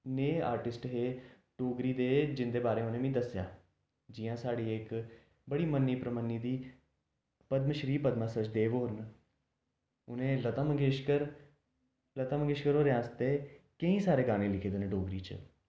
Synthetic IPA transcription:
neːa̰ːɾʈɪsʈɦeː | ɖoːɡɾiːd̪eːd͡ʒɪnd̪eːbaːɾeːʊnẽːmĩːd̪əsja̰ː | d͡ʒɪjãːsaːɽiːɪk | bəɽiːmənːiːpɾəmənːiːd̪iː | pəd̪mʃəɾiːpəd̪mãːsət͡ʃd̪eːʋoːɾən | ʊnẽːlət̪ãːməɡeːʃkəɾ | lət̪ãːməŋɡeːʃkəɾoːɾeãːst̪eːkəĩːsaːɾeːɡãːnẽːlɪkʰeːd̪eːnẽɖoːɡɾiːt͡ʃə̰

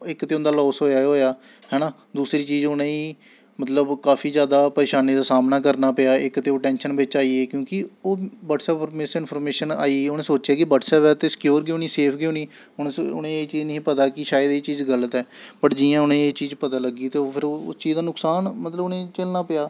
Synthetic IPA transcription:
ɪkt̪eːʊ̃nd̪aːlɔːsɦoːjaːɦoːjaː | hɛːnãː | d̪uːsɾiːt͡ʃiːd͡ʒʊnẽːiː | mət̪ləbkaːpʰiːd͡ʒjaːd̪aːpəɾeːʃaːniːd̪aːsaːmnaːkəɾnaːpɪjaːɪkt̪eːoːʈɛ̃ːnʃənbɪt͡ʃaːiːeːkjõːkɪoːʋaːʈsɛːpɾmesɪnpʰɔːɾmeːʃəna̰ːiːʊnẽːsoːt͡ʃjaːkɪbəːʈsɛːpɛːt̪eːsɪ̥kjoːɾɡɪoːniːseːpʰɡeoːniː | ʊneʊ̰nẽːeːt͡ʃiːd͡ʒnəĩːpət̪aːkɪʃaːjəd̪iːt͡ʃiːzɡələt̪ɛːpəʈd͡ʒiãːʊnẽeːt͡ʃiːzpət̪aːləɡiːt̪eːoːpʰɪɾʊ̰st͡ʃiːd̪aːnʊksaːnmət̪ləbʊnẽːt͡ʃəlnaːpɪjaː

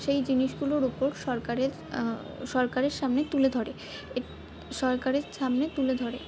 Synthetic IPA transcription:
ʃejd͡ʑiniʃɡuloɾupoɾʃɔɾkaɾeɾ | ʃɔɾkaɾeɾʃamnet̪uled̪ʱɔɾe | e | ʃɔɾkaɾeɾʃamnet̪uled̪ʱɔɾe

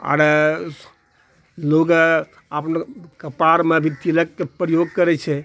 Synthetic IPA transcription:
a̰ɾe | loɡ | əpnkəpaɾmebʱit̪ilək̚kepɾəjoɡ̚kəɾɛt͡ʃʰɛ

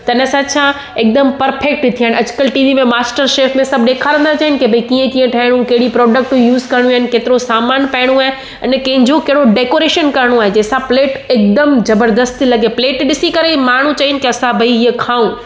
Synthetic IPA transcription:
t̪ɐɪnəsãt͡ɕʰã | ɪk̚d̪əmpɐɾfek̚ʈt̪ʰijaːɪ̃ñɐd͡ʑkəlʈiːʋimẽmaːsʈəɾʃeːfmẽsɐb̚ʱɗeːkʰaɾɐ̃nd̪at͡ɕɐɦɪnɪ̆kebʱɐikiːə̃kiːə̃ʈʰaːɦɪɽ̃ũkɐɦɪɽipɾɔːɖək̚ʈjuːzkɐɾɽ̃ũaːɦɪ̃nɪ̆keːt̪ɪɾosaːmaːnpɛɪɽ̃ũaːɦe | ɐɪnkɐ̃ɦɪ̃ɲd͡ʑokɐɦɪɽoɖeːkoːɾeːʃənkɐɾəɽ̃õaːɦed͡ʑeːsãpleːʈɪk̚d̪əmzɐbəɾd̪əst̪lɐɡepleːʈɗɪsikɐɾemaːɳ̤ũt͡ɕɐɦɪnɪ̆keɐsãbʱɐiiekʰaːũ

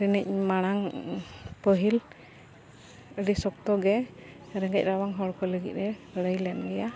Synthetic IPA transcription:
ɾənic̚ˀmaɽ̃aŋ | pəɦil | əɖisɔk̚t̪ɔɡɛ | ɾɛŋɡɛ̰c̚ˀɾawaŋɦɔɽkʰɔləɡḭt̪̚ɾɛɽəjlɛnɡɛja

